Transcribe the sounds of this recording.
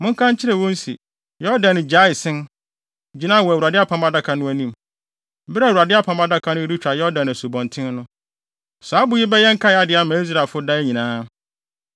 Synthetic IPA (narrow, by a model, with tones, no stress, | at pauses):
mʊ̃˦ŋ˦kʰã˦ɲ˦t͡ɕʰɪ˦ɾɛ˨wɔ̃˦n˦sḭ˨ | jɔ˦dã˨nɪ̃˨d͡ʑa˦ɪ˨sɪ̃˦n | d͡ʑi˨˦nã˦˨wɔ˨æ˨u˨ɾa˨dɪ˦a˦pʰã˦ma˦da˦kʰa˨nʊ̃˦æ˦nĩ˦m˦ | bɾwu˨a˨dɪ˦a˦pʰã˨˦ma˦da˦kʰa˨nʊ̃˦di˦t͡ɕᶣɾa˨jɔ˦dã˨n˨æ˨su˨bɔ̃˨ntʰɪ̃˦n˦nʊ̃˦ | sa˨˦bʊ˨˦ji˦bɛ˦jɛ˦ŋ̩˦kʰa˦ja˨dɪ˨a˦mã˨˦i˦s̬ɾa˨lfʊ˦da˦ɛ˦ɲĩ˨nãː˦